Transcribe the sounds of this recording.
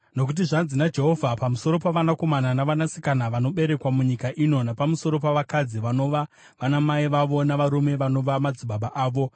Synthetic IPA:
no̞k̬ut̬iʐanzinad͡ʒe̞ɦo̞vʱapamuso̞ɾo̞paʋanako̞mananaʋanasi̥kanaʋano̞ɓe̞ɾe̞kwamuɲikaʔino̞napamuso̞ɾo̞paʋakad͡ziʋano̞ʋa | ʋanamaiʋaʋo̞naʋaɾume̞ʋano̞ʋamad͡ziɓaɓaʔaːʋo̞

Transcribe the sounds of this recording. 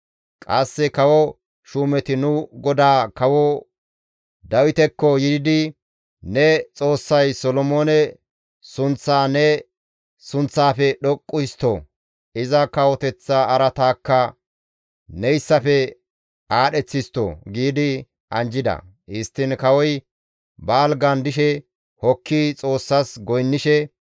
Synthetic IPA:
kʼɐsːɛkɐwɔ | ʃuːmɛt̪ɪnʊɡɔd̪aːkɐwɔ | d̪ɐwɪt̪ɛkːɔjɪd̪ɪd̪ɪ | nɛt͡sʼo̞ːsːɐjsɔlɔmoːnɛ | sʊnt͡sːaːnɛ | sʊnt͡sːaːfɛɗɔkʼːʊjst̪o̰ | ɪzɐkɐwɔt̪ɛt͡sːaːɾɐt̪aːkːɐ | nɛjsːɐfɛ | aːɗɛt͡sːɪst̪ːo̰ɡiːd̪ɪ | ʔɐnd͡ʒɪd̪ɐ̰ | ɪst̪ːɪnkɐwɔj | baːlɡɐnd̪ɪʃ̬ɛ | hɔkʰːɪt͡sʼo̞ːsːɐsɡɔjnːɪʃɛ

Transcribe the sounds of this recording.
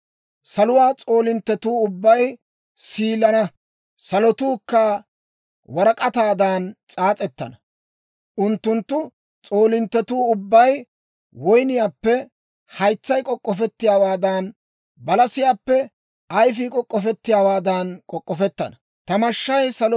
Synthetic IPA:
sɐlʊwaːt͡sʼo̞ːlɪnt̪ːɛt̪uːʊbːɐj | siːlɐnɐ | sɐlɔt̪uːkːɐ | wɐɾɐkʼɐt̪aːd̪aːnt͡sʼaːt͡sʼɛt̪ːɐ̰nɐ | ʔʊnt̪ːʊnt̪ːʊ | t͡sʼo̞ːlɪnt̪ːɛt̪uːʊbːɐj | wɔjnɪjaːpːɛ | hɐjt͡sːɐjkʼɔkʼːɔfɛt̪ːɪjaːwaːd̪ɐːn | bɐlɐsɪjaːpːɛ | ʔɐjf̬ɪkʼɔkʼːɔfɛt̪ːɪjaːwaːd̪ankʼɔkʼːɔfɛt̪ːɐ̰nɐ | t̪ɐmɐʃːɐjsɐl

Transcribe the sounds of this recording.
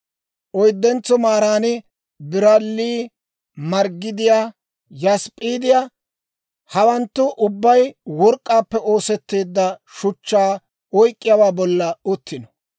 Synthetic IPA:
ʔɔjd̪ːɛnt͡sːɔmaːɾaːnɪ | bɪɾɐlːiː | mɐɾɡːɪd̪ɪjaː | jɐspʼiːd̪ɪjaː | hɐwɐnt̪ːʊʔʊbːɐjwɔɾkʼːaːpːɛo̞ːsɛt̪ːe̞ːd̪ːɐʃʊt͡ʃːaː | ɔjkʼːɪjawaːbɔlːɐʊt̪ːɪnɔ

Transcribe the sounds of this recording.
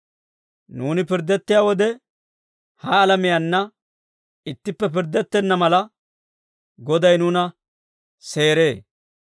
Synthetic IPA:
nuːnɪpɪɾd̪ɛt̪ːɪjaːwɔd̪ɛ | hɐːlɐmɪjɐnːɐ | ɪt̪ːɪpːɛp̬ɪɾd̪ɛt̪ːɛnːɐmɐlɐ | ɡɔd̪ɐjnuːnɐ | se̞ːɾe̞ː

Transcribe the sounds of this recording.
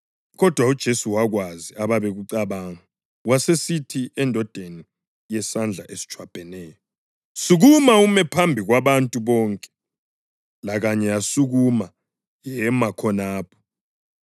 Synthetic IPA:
ɣɔd̥ʱwaud̥ʒ̥ʱesuwaɣwaziaβaβeɣuǀaβaːŋa | wasesitʰiɛndʱɔd̥ʱeni | jɛsand͡ɮʱaʔesi̥t͡ʃʰʼwab̥ʱɛnɛːjɔ | suɣumaumɛpʰambʱiɣwaβantʼuβɔːŋkʼɛ̥ | laɣaɲɛjasuɣuma | jɛmakʰɔnaːpʰɔ̥

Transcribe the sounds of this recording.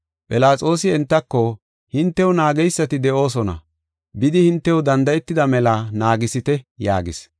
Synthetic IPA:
pʼɪlaːt͡sʼo̞ːsɪɛnt̪ːɐkːɔ | hɪnt̪ːɛwʊnaːɡɛjsːɐt̪ɪd̪ɛʔo̞ːs̬ɔnɐ̰ | bɪd̪ɪhɪnt̪ːɛwd̪ɐnd̪ɐjɛt̪ːɪd̪ɐmɛlɐnaːɡɪsɪt̪ɛja̰ːɡɪs

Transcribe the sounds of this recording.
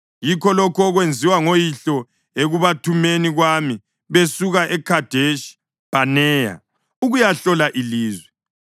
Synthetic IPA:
jikʰɔlɔkʰɔɔɣwend͡zʱiwaŋojiɬɔ | eɣuβatʰumeniɣwami | βesuɣaʔɛkʰad̥ʱeʃ | b̥ʱanɛːja̰ | uɣujaɬɔlaʔiliːzwɛ

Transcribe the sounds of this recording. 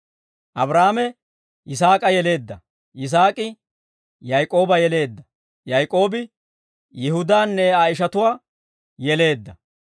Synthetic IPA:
ʔɐbɾaːmɛ | ʔɪs̬aːkʼɐjɛle̞ːd̪ːɐ | ʔɪs̬aːkʼɪ | jɐjkʼːo̞ːbɐjɛle̞ːd̪ːɐ̥ | jɐjkʼːo̞ːbɪ | jɪhʊd̪aːnːɛajɪʃ̬ɐt̪ʊwaː | jɛle̞ːd̪ːɐ

